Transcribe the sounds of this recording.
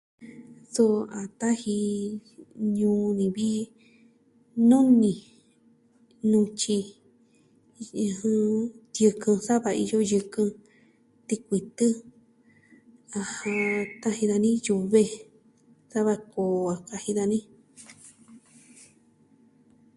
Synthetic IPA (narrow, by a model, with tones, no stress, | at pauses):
su˦˧a˨t̪a˦hi˧ | ɲũː˧˦nĩ˨βi˦ | nõ˦nĩ˧˨ | nũ˧t͡ʃi˧ | hɨ̃˧t̪jɨ˧kɨ̃˧sa˦βa˧ḭ˧jo˦jɨ˧kɨ̃˧ | t̪i˧kʷi˨t̪ɨ˦ | a˧hã˧t̪a˦hĩ˧ða˧nĩ˦ju˧βe˧ | sa˦βa˧ko˨a˨ka˧hĩ˧ða˧nĩ˦